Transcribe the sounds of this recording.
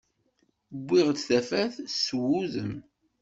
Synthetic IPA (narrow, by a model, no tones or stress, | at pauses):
bːiʁd̪θæfæθswuðəm